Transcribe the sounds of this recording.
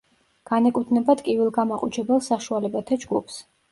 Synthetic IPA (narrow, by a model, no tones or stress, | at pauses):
ɡ̥anɛkʼut̪ʰnɛbat̪kʼivilˠɡamaqʼut͡ʃʰɛbɛlˠsaʃualɛbat̪ʰad͡ʒɡupʰs